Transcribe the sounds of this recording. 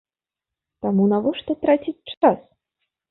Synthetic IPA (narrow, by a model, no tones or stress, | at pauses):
t̪amunavɔʂt̪ɔt̪ɾat͡sʲit͡sʲt͡ʂas